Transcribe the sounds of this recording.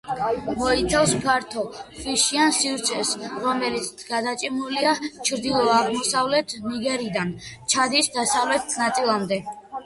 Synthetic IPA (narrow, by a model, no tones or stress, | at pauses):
mɔit̪sʰafskʰaɾt̪ʰɔχwiʃiansivɾt̪sʰɛsɾɔmɛlit̪sɡ̥ad̪at͡ʃʼimuliat͡ʃʰɾd̪ilˠɔaʁmɔsavlɛt̪ʰniɡɛɾid̪ant͡ʃʰad̪isd̪asavlɛt̪ʰnat̪sʼilˠamd̪ɛ